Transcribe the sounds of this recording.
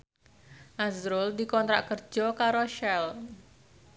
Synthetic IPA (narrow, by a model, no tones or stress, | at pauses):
ʔazɾʊld̪ikɔnt̪ɾaʔkərd͡ʒɔkaɾoʃɛl